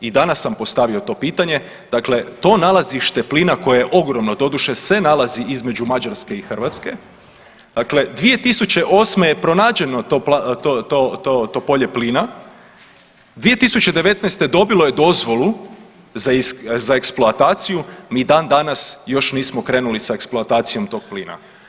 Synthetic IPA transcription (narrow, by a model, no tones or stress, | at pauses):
id̪anasːampo̞st̪aʋio̞t̪o̞ːpiːt̪aɲe̞ | d̪̥akle̞t̪o̞ːnalˠaziʃt̪e̞pliːnako̞jejeʔo̞ɡɾo̞mno̞d̪o̞d̪uʃe̞sʋe̞nalˠaziʔizme̞d͡ʑumad͡ʒaɾske̞ixər̩ʋat̪ske̞ | d̪̥akle̞d̪ʋije̞t̪isut͡ɕe̞ʔo̞ːsme̞jepɾo̞naːd͡ʒe̞not̪opt̪ot̪ot̪ot̪opo̞ʎe̞pliːna | d̪ʋije̞t̪isut͡ɕe̞d̪e̞ʋe̞t̪najst̪e̞d̪o̞bilo̞je̞d̪o̞zʋo̞lˠu | zazaeksploat̪aːt̪sijumiːd̪aːnd̪anasjo̞ʃniːsmokɾeːnulisaeksploat̪aːt̪sijo̞mt̪o̞ːɡ̥̚pliːna̰